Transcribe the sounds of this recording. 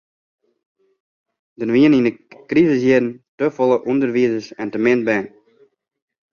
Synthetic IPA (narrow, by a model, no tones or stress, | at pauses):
d̥ənʋiənindəkrizəs̬jɪdn̩tøfɔlˠəʔundərʋiəzəsɛntəmɪnt̚bɛn